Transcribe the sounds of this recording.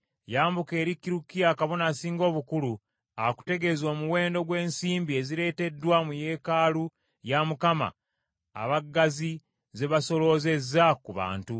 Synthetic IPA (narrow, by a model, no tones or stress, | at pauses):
jaːmbuke̞ːɾikːiɾukːijakaβo̞naːsiːŋɡo̞ːβukulu | aku̥te̞ɡe̞zo̞ːmuwe̞ːndo̞ɡwe̞ːnsiːmbie̞ziɾe̞ːte̞dwamuje̞ːkaːlu | jamukama̰ː | βaɡːazi | ze̞βaso̞lo̞ze̞zːakuβa̰ːntu